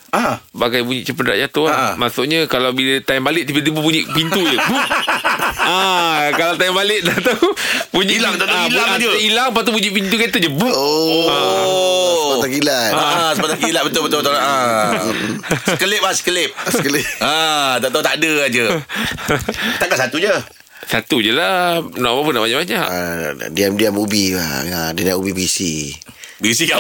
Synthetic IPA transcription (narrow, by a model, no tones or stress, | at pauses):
abaɡajbuɲḭʔt͡ʃəpənɾaʔjat̪uamasʊʔɲãkalawbilət̪aɛmbalɪʔ̪̚ipit̪ibupuɲḭʔpint̪ud͡ʒəbuʔ | akalawt̪̬ajɛmbalɪʔ̚dat̪apuɲilaŋt̪aailailaŋp̬at̪ubuɲiʔpint̪ukat̪uʔd͡ʒəbuoa | t̪akilaaasəpat̪akilaʔ̚bət̪ʊlbət̪obt̪olaʔa | əkəlɪʔ̚asə̥kəlɪp̚səkəlɪat̪at̪awt̪adəad͡ʒə | t̪akaʔsat̪ud͡ʒə | sat̪ud͡ʒəlanamapʊnaʔbaɲaʔbaɲaʔadiamdiamubia̰adinaʔubibisi | bisi